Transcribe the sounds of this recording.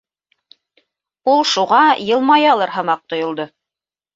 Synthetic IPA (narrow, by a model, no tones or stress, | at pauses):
ulˠʃuʁɑjɤ̆lˠmɑjɑlˠɤɾɦɤ̆mɑq̚t̪ŏjŏlˠd̪o